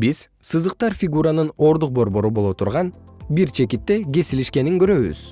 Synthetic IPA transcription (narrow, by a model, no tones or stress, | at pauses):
biz̥ | sɯzɯq̚t̪ɑɾfʲiɡuɾanɯno̞ɾd̪uq̚bo̞ɾbo̞ɾubo̞lˠot̪ʰuɾʁɑnbiɾt͡ʃʰe̞kit̪ːe̞ɡe̞siliʃke̞niŋɡø̞ɾø̞βy̰z